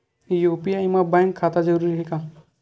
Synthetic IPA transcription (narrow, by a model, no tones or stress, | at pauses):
joːpiaimabãjŋkʰaːt̪ad͡ʒɐɾuːɾiɦika